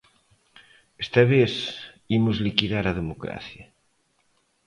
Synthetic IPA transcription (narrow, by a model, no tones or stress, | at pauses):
est̪aβeθ | imʊzlikiðaɾað̞emokɾa̰θjɐ